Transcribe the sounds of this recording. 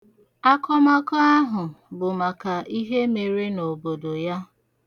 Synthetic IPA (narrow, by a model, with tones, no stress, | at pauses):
a˦kɔ˦ma˦kɔ˦a˦ɦʊ˨bʊ˨ma˨ka˨ʔi˦ɦe˦me˨ɾe˦no˨bo˨do˨ja˦